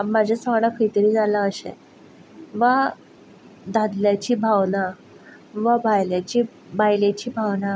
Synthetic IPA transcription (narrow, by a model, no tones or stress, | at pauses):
amːad͡ʑʱasəɡɽakʰəjt̪əɾiːd͡zalaəɕḛ | ʋa | d̪ʱad̪ljat͡ɕiːbʱawna | ʋabajljat͡ɕiː | bajlet͡ɕiːbʱawna